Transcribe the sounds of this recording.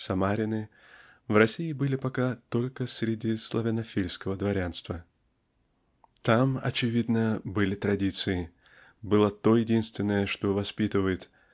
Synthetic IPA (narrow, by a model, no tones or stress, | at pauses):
sɐmaɾʲɪnɨ | vrɐsʲijɪbɨlʲɪpɐkat̪o̞lʲkəsʲɾʲɪdʲislˠɐvʲɪnɐfʲilʲskəvəd̪vɐɾʲanst̪və | t̪amɐ̰t͡ɕɪvʲid̪nəbɨlʲɪt̪ɾɐdʲit̪sɨɪ | bɨlˠət̪ojɪdʲinst̪vʲɪnːəjəʂt̪o̞vɐspʲit̪ɨvəjɪt̪